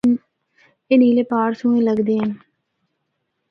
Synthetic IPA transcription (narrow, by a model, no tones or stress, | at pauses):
eːniːleːpaːɾsũːẽːləɡd̪eːɦən